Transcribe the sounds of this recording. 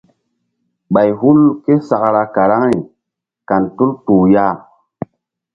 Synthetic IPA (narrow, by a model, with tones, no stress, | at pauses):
ɓa˨jɦu˦lke˦sa˨kɾa˧ka˨ɾa˦ŋi˨ | ka˨ntu˦ltuː˨ja˦